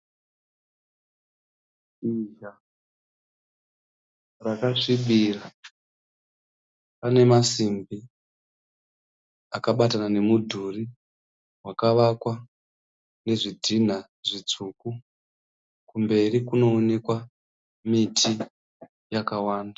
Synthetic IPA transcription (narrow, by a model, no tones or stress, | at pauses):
iʒa | rakaʂiɓiːra | pane̞masimbi | akaɓatanane̞mudʱuri | wakaʋakwa | ne̞ʐidʱin̤a | ʐit͡suku | kumbe̞rikuno̞ːne̞kwa | mitʰi | jakawaːnda